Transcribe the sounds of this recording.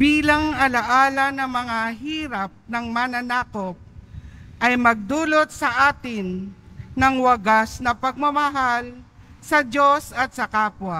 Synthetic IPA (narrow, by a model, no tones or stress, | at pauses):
biːlɐŋɐlɐʔaːlɐnɐmɐŋaɦiːɾɐp̚nɐŋmananaːkop̚ʔɐjmɐɡ̚d̪uːlot̪̚sɐʔaːt̪ɪnːɐŋwɐɡasnɐpɐɡ̚mɐmɐɦal | sɐd͡ʒosɐt̪̚sɐkaːpwɐ